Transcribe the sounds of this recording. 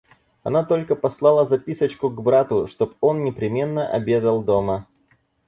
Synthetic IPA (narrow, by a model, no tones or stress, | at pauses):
ɐnat̪o̞lʲkəpɐslˠɑlˠəzɐpʲisət͡ɕkʊɡbɾat̪ʊʂt̪o̞po̞nnʲɪpɾʲɪmʲe̞nːəʔɐ̰bʲe̞d̪əlˠd̪o̞mə